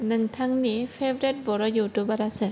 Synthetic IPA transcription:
nɯŋtʰaŋnipʰebɾet̚bɔɾɔjuwtubaɾasɯn

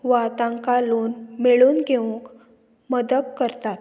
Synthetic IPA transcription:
ʋat̪ãŋkaluːnmeɭuːnɡʱeuŋk | məd̪əkkəɾt̪at̪

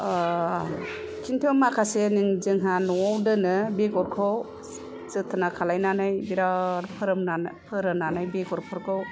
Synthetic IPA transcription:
kʰintʰɯmakʰaseniŋd͡ʒɯŋɦanɔwdɯnɯbeɡɔɾkʰɔw | sɯtʰɯnakʰalajnanajbiɾaɾpʰɯɾɯmapʰɯɾɯmnanajbeɡɔɾpʰɯɾkʰɯw

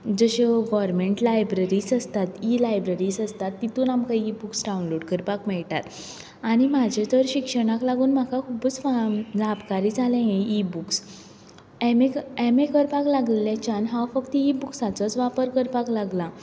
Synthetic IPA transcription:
d͡zəɕeɡɔɾmeɳʈlajbɾəɾiːsəst̪at̪ilajbɾəɾiːsəst̪at̪ːit̪uːnamkaibuksɖawnloɽkəɾpakmɛɭʈat̪ | aɽ̃imad͡ʑʱet̪əɾɕikʂəɽ̃aklaɡuːnm̤akakʰubət͡sfalabkaɾiːd͡zʱalẽjẽibuks | ɛmeɛmekəɾpaklaɡlelẽt͡ɕanɦãwfəkt̪ibuksat͡sət͡sʋapəɾkəɾpaklaɡla

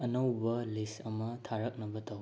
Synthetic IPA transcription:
ɐnɐwbɐlisɐmɐtʰaɾɐk̚nɐbɐtaw

